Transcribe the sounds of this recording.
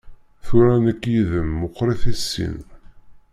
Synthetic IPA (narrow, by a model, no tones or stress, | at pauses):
θʊɾænækːjiðəmːʊqːɾiθæsːḭn